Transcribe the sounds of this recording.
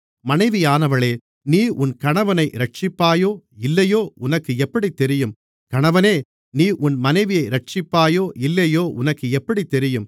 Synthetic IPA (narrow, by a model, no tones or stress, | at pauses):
mɐnɐɪʋɪjaːnɐʋɐɭeː | niːʔʊnkɐɳɐʋɐnɐɪɾɐʈ̚t͡ʃɪpːaːjoːɪlːɐjoːʊnɐkːɯɛpːɐɽit̪ːɛɾɪjɯm | kɐɳɐʋɐneː | niːʔʊnmɐnɐɪʋɪjɐɪɾɐʈ̚t͡ʃɪpːaːjoːʔɪlːɐjoːʔʊnɐkːɯɛpːɐɽit̪ːɛɾɪjɯm